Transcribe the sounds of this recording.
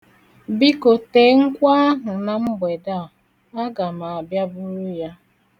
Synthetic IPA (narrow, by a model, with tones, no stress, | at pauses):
bi˦ko˨te˨˦ŋ̩˦kʷa˦a˦ɦʊ˨na˨m̩˦be˨da˦˨ | a˦ɡa˨ma˨a˨bja˦bʊ˦ɾu˦ja˦